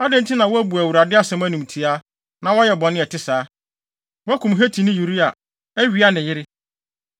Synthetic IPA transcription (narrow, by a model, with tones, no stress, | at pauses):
a˦dɪ̃˦n̩˦tʰi˦nã˨wɔ˦æ˦bu˨æ˨wu˨ɾa˨dɪ˦a˦˨sɛ̃˦mæ˦nũ˨m˨tʰi˨a˦ | nã˨wɔ˦jɛ˨bɔ̃˨nɪ̃˦ɛ˨tɪ˦saː˨˦ | wɔ˦kʰũ˨mɦe˦tʰi˨nɪ̃˦ju˨ɾi˦a˨ | æ˦ɥi˨˦a˦nɪ̃˨jɪ˦ɾɪ˦